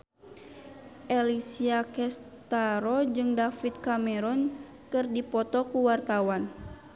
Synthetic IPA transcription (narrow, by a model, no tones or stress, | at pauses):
ʔɛlisiakɛst̪aɾɔd͡ʒɨŋdafit̪̚kamɛɾɔn | kɨrdipɔt̪ɔkuwart̪awan